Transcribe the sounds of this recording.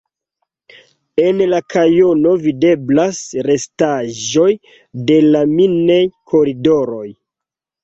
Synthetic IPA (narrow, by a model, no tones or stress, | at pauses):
e̞nlakʰajo̞no̞vide̞blasɾe̞staʒo̞j | de̞laminejkʰo̞ɾido̞ɾo̞j